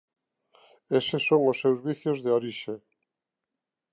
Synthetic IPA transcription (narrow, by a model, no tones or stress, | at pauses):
esesoŋʊsːewzβiθjozðeoɾiʃe